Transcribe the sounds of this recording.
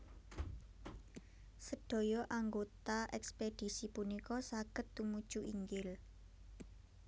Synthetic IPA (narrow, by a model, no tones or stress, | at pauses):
səɖ̥o̤jɔʔaŋɡot̪aʔɛksped̥i̤sipunikɔsaɡ̥ə̤t̪ːumud̥ʒ̥uʔiŋɡɪl